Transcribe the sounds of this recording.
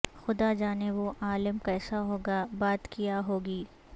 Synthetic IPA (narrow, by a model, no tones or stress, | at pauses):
xʊd̪ad͡ʒaːneʋoʔaːlɪmkɛːsaɦoːɡabaːt̪kijaɦoːɡiː